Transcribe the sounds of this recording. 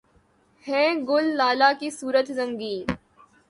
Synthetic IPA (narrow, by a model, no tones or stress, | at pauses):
hɛ̃ːɡʊlːaːlakisuːɾət̪zɐ̃ŋɡiː